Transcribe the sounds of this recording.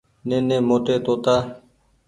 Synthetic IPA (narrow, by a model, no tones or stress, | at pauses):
nẽːnẽːmoːʈeːt̪oːt̪aː